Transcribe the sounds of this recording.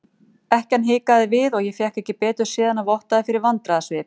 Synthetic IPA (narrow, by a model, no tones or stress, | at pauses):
ɛhcanɦɪːkaðɪvɪðɔɣjɛfjɛhkɛhcːɪpɛːt̪ʏɾ̥sɪːðanavɔht̪aðɪfɪɾɪɾvant̪ɾaðasvɪːp